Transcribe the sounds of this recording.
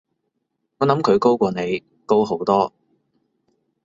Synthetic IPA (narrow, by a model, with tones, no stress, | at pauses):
ŋɔː˨˧nɐ˨˥mkʰɵ˨˧ɥko˥wkʷɔː˧ne˨˧j | ko˥wɦo˨˥wt̪ɔː˥